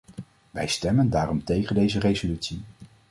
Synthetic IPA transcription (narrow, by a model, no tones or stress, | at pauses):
ʋɛjstɛməndaːrɔmtejχəndejzərejzolytsi